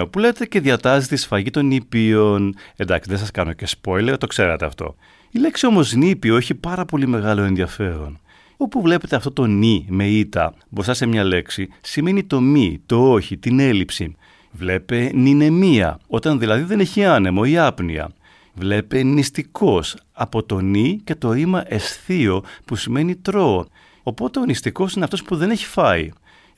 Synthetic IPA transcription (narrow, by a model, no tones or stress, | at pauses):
opule̞et̪eceðiɐt̪ɐzit̪isfɐʝit̪o̞nipio̞ne̞nd̪ɐksiðe̞sɐskɐno̞ce̞spo̞jle̞ɾt̪o̞kse̞ɾet̪eɐ̰ft̪o̞̰ | ile̞ksio̞mo̞znipioeçipɐɾɐpo̞lime̞ɣɐlo̞e̞nðiɐfe̞ɾo̞̰n | o̞puvle̞pet̪eɐft̪o̞t̪o̞nime̞it̪ɐ̰ | bosɐse̞mɲɐle̞ksisimenit̪o̞mit̪o̞oçit̪ine̞lipsḭ | vle̞pe̞nine̞miɐ̰o̞t̪ɐnðilɐðiðe̞ne̞çiɐne̞mo̞iɐpnḭɐ̰ | vle̞pe̞nist̪iko̞s | ɐpo̞t̪o̞nice̞t̪o̞imɐʔe̞sθio̞pusime̞nit̪ɾo̞ | o̞po̞t̪eo̞nist̪iko̞sineɐft̪o̞spuðe̞ne̞çi̥fɐi